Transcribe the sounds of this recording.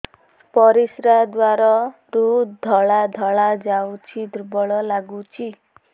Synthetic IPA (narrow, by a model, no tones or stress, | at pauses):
pɔɾisɾad̪waɾɔɾud̪ʱɔɭad̪ʱɔɭad͡ʒawt͡ʃʰid̪ɾbɔɭɔlaɡut͡ʃʰi